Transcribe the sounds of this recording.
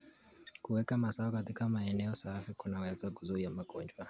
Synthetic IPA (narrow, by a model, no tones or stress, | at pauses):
kuwɛkamasaɔkatikamaɛnɛɔsafikunawɛzakuzuɾijamaɡɔnd͡ʒwa